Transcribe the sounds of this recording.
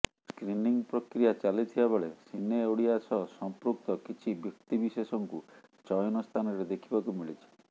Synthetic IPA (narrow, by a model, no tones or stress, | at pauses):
skɾiniŋpɾɔkɾijat͡ʃalit̪ʰibabeɭesinewɽiasɔsɔmpɾuk̚t̪ɔkit͡ʃʰibjɔk̚t̪ibisesɔŋkut͡ʃɔjɔnɔst̪ʰanɔɾed̪ekʰibakumiɭit͡ʃʰi̥